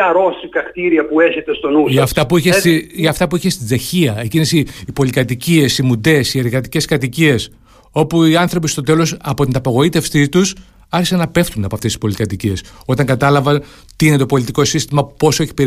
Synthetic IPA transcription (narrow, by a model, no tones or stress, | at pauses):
ɐɾosikɐkt̪iɾiɐpueçet̪est̪o̞nusɐft̪ɐpuiçesiɐft̪ɐpuiçe̞st̪ize̞çiɐecinesiːpo̞likɐt̪icie̞simud̪e̞sie̞ɾɣɐt̪i̥ce̞skɐt̪icie̞s | o̞puiɐnθɾo̞pist̪o̞t̪e̞lo̞sɐpo̞t̪inɐpoɣo̞it̪e̞fsit̪us | ɐɾçisɐnɐpe̞ft̪unɐpoɐft̪esispo̞likɐt̪icie̞so̞t̪ɐŋɡɐt̪ɐlɐvɐn | t̪iine̞t̪o̞po̞lit̪iko̞sist̪imɐpo̞soeçi̥peɾ